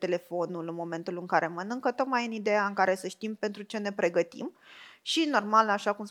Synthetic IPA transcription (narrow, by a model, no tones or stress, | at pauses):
t̪e̞le̞fo̞nulɨnmo̞me̞nt̪ulɨŋkaɾe̞mənɨŋkət̪o̞t̪̚majɨnid̪e̞jaɨŋkaɾe̞səʃt̪impe̞nt̪ɾut͡ʃe̞ne̞pɾe̞ɡət̪ḭmʃino̞rmalaʃakums